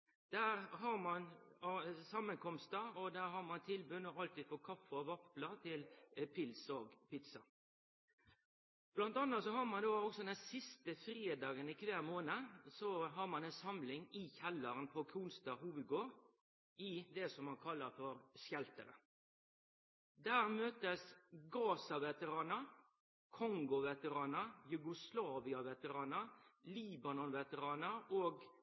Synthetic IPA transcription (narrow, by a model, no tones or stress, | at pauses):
d̪̥æːɾɦɑɾmɑn | sɑmːənkʰɔmst̪əɔd̪æːɾɦɑɾmɑnt̪ʰɪlbʉnːəɑlt̪iːd̪fɔkʰɑfːəɔʋɑplɑt̪ʰɪlpʰɪlsɔːɡpɪt̪sɑ | b̥lɑnt̪ɑnːət̪sɔhɑɾmɑnd̪oːɔksɔd̪ɛnsɪst̪əfɾeːd̪ɑːɡənɪkʰʋæːɾmoːnəsɔɦɑɾmɑnɛnsɑmlɪŋɪçɛlːəɾənpʰɔkʰuːnst̪ɑːɦuːʋəd̪ɡoːɾ | ɪd̪ɛsɔmːɑnkʰɑlːəɾfɔɾsjɛlt̪əɾə̰ | d̪æːɾmøːt̪əsɡɑːsɑʋɛt̪əɾɑːnəɾ | kʰɔŋɡʊʋɛt̪əɾɑːnəɾjʉɡʊslɑːʋɪɑʋɛt̪əɾɑːnəɾliːbɑnɔnʋɛt̪əɾɑːnəɾoːɡ